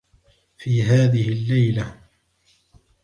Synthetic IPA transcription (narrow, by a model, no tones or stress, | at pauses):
fiːɦaːðɪhɪlːajla